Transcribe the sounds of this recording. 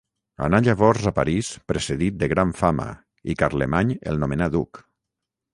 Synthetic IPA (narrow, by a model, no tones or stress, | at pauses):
a̰naʎaβ̞ɔɾzapa̰ɾispɾeseðit̪̚d̪eɣɾaɱfama̰ | ikaɾlemaɲḛlˠnomenad̪ṵk